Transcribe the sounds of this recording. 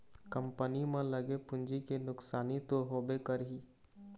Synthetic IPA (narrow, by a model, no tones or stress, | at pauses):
kə̃mpənimẽlɐɡepʊ̃ɲd͡ʒikenʊksaːnit̪oɦoːbekəɾɦiː